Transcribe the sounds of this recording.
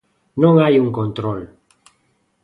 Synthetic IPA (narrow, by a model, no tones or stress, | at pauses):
nõŋajuŋkont̪ɾol